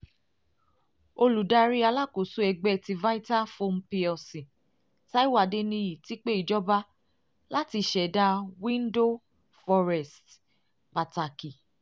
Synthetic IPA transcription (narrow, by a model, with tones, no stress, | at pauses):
o˧lu˨da˦ɾi˦a˧la˦ko˨su˦ɛ˧ɡ͡bɛ˦˧ti˧va˦i˦ta˦fo˧m̩˦pi˧ɔ˨sĩ˨ | ta˦i˦wa˨de˧nĩ˧ji˨ti˦k͡pe˦i˨d͡ʒɔ˦ba˦ | la˦ti˧ʃɛ˨da˦wĩ˦n˦do˦ | fɔ˧ɾɛ˨st | pa˨ta˨ki˨